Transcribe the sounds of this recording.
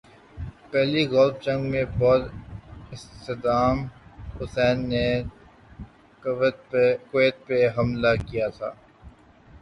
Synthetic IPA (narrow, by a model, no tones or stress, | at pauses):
pɛɦliɣɔlft͡ʃɐ̃ŋɡmẽbɔːt̪ɪst̪ed̪aːmhʊsɛːnːe | kweːt̪̚peɦɐmlakijat̪ʰa̰ː